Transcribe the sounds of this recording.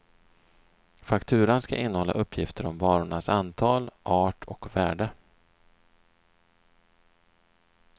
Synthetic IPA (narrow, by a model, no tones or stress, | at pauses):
fakt̪ʰʉ̟ːɾanska̰ʔɪnːəhɔlːa̰ʔɵpʰːjɪft̪əɾɔmvɑːɾʊɳasant̪ʰɑːlʔɑːʈʰɔkvæːɖə